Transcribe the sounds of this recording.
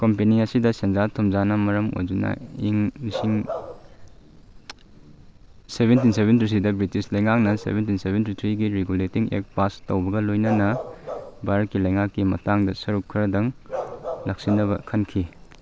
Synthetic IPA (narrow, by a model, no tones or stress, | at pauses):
kompeniɐsidɐsenzatʰomzanɐmɐɾɐmo̰jd͡ʒunɐ̰iŋmisiŋ | sebentinsebentʰɾitʰidɐbɾitislɐjŋak̚nɐsḛbentinsebentit̪ʰɾiɡiɾeɡuletiŋḛk̚pastɐwbɐɡɐlojnɐnɐ | baɾɐt̚kːilɐjŋakːimɐtaŋdɐsɐɾukʰːiɾɐdɐŋ | lɐk̚sinɐβɐkʰɐnkʰi